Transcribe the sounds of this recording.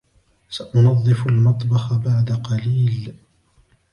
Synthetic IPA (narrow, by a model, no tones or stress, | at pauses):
saʔʊnɑðˤːɨfalmɑt̪ˤbɑxabaʕd̪aqɑliːl